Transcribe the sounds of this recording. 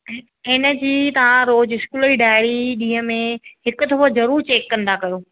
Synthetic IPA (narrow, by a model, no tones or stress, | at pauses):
ɪnə̆d͡ʑiːt̪ɐʋ̤ãɾoːd͡ʑɪskuːliɖaːɪɽiɗĩːɦə̃mẽhɪkʊt̪ʰɐfozɐɾuːɾt͡ɕeːkːɐ̃nd̪akɐjoː